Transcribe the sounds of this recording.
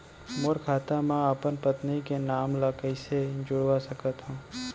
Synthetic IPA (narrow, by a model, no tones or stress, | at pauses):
mʊɾkʰaːt̪amãapənpət̪nikenaːmlakəised͡ʒʊɽwasɐkət̪ɦũː